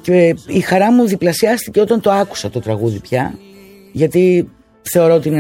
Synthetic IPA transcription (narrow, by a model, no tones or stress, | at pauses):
ceixɐɾɐmuðiplɐsiɐst̪ice̞o̞t̪ɐnt̪o̞ɐku̥sɐt̪o̞t̪ɾɐɣuðipçɐ̰ | ʝɐt̪i | θe̞o̞ɾo̞ot̪iine